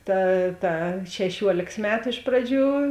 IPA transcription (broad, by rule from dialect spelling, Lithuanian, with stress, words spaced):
ˈtɐ ˈtɐ ʃʲɛˈʃʲuɔlʲeːks ˈmʲæːtʊ ɪʃ ˈprɑːˌd͡ʒʲuː